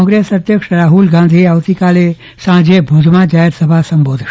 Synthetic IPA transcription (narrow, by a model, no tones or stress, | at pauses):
ɔ̃ŋɡɾesəd̪ʱjəkʂɾaːɦulɡãnd̪ʱiaːʋt̪ikale | sãd͡ʒebʱud̪ʱmad͡ʒaɦeɾsəbʱasəmbod̪ʱ